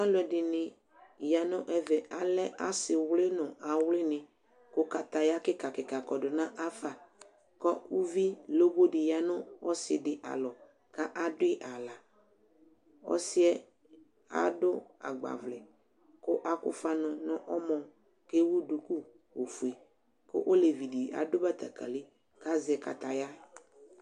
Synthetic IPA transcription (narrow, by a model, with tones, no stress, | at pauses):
a˦lʊ˨ɛ˨dɪ˨nɪ̃˨ | ja˨nʊ̃˦ʔɛ˨vɛ˨ʔa˨lɛ˦ʔa˦sɪ˨wlɪ˦nʊ̃˨a˨wlɪ˦nɪ̃˨ | kʊ˦ka˨t̪a˨ja˦kɪ˦ka˨kɪ˨ka˨kɔ˨dʊ˨nã˦ʔa˦fa˨ | kɔ˦u˦vi˦lo˦bo˦dɪ˨ja˨nʊ̃˦ɔ˦sɪ̰˨dɪ˨ʔa̰˨lɔ˨ | ka˦ʔa˦dʊ˦ɪ˦ʔa˨la˨ | ɔ̰˦sɪ˦ɛ˦ | a̰˦dʊ˦a̰˨ɡ͡ba̰˨vlɛ˨ | kʊ˦ʔa˨kʊ̰˨fa˦nʊ˨nʊ̃˦ʔɔ˦mɔ˨ | ke˦wu˦du˨ku˦ | o˨fu˨e˨ | kʊ̰˦ʔo˦le˨vi˨di˨a̰˨dʊ˦ba˦t̪a˨ka̰˨lɪ˦ | ka˦zɪ˨ɛ˨ka˨t̪a˨ja˦